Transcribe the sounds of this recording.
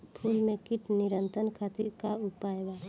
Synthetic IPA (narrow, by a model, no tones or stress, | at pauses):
pʰuːlmẽkɪʈnɪɾə̃nt̪ənkʰat̪iɾkaʊpaːjewa